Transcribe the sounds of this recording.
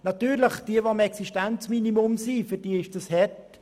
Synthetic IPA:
nɑtyːɾləχd̥iəvoəmɛksiʃtɛnt͡sminimʊmsiːfyd̥iːəɪʃd̥ɑshɛt

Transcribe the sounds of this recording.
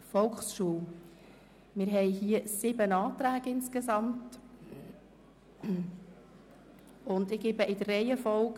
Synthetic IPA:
fɔlxsʃuəw | mɪɾɦɛɪɦiːəsɪbənɑːtɾæːɡ̥ɪnskezɑmt | ʊndɪɡ̥ebəʔɪd̪ərɛɪjəfɔlk

